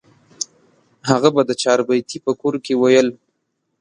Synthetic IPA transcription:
haɣabad̪ət͡ʃɑɾbajt̪ipəkoɾkewajəl

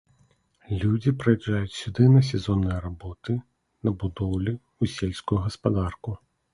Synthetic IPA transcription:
lʲud͡zʲipɾɐjɛd͡ʐajʊt͡sʲsʲud̪ɨnɐs̬ʲɛzɔnːɐjɾabɔt̪ɨ | nɐbud̪ɔwlʲi | usʲelʲsʲkʊjuɣɐspad̪arku

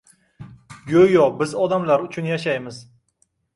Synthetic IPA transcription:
ɡojɒbɪzɒd̪amlaɾʊt͡ʃʰʊnjaʃajmɪz

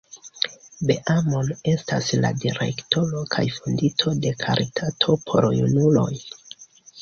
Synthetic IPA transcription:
be̞ʔamo̞ne̞stasladiɾe̞̰kto̞ɾo̞kʰajfunditʰo̞de̞kʰaɾʔitʰatʰo̞pʰo̞̰ɾjṵnulo̞̰j

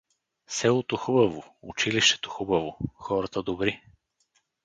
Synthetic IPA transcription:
sɛlˠot̪oxubɐvoʊ̰t͡ʃiliʃt̪ɛ̥t̪o̥xubɐvoxɔɾɐt̪əd̪obɾi

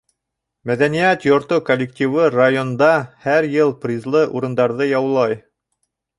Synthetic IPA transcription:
mæðænijæt̪jŏɾt̪okolʲːɪk̚tʲiwɤrajond̪ɑhæɾjɤlˠpɾʲizlˠɤʔuɾɤ̆nd̪ɑɾðɤjɑwlˠɑj

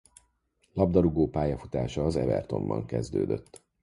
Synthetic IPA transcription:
lɒbd̪ɒɾuɡoːpaːjɒfut̪aːʃɒːzɛvɛrt̪o̞mbɒŋkɛzd̪øːd̪øt̪ː

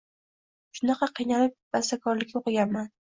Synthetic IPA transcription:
ʃʊnɑqʰɑqʰijnalɪp̚b̥ast̪akʰɒɾlɪkʲoqɨɡʲanman

